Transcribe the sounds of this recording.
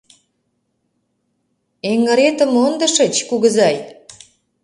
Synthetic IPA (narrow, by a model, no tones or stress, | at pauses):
eŋɡə̆ɾet̪ə̆mond̪ə̆ʃə̆t͡ɕkuɣəzɑj